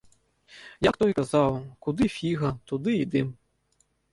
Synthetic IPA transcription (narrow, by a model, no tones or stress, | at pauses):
jakt̪ɔjkɐzɑwkʊd̪ɪfʲiɣɐt̪ʊd̪ɪid̪ɪm